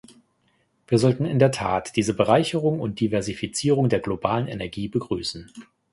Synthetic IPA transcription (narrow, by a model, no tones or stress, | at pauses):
v̥iːɐzɔltn̩ɪndeːɐtʰa̰ːtd̥iːzəbəʁaɪçəʁ̞ʊŋʊnt̚d̥ivɛɐzifit͡siːʁ̞ʊŋdeːɐɡlobaːlənḛnɛɐɡiːbəɡʁyːsn̩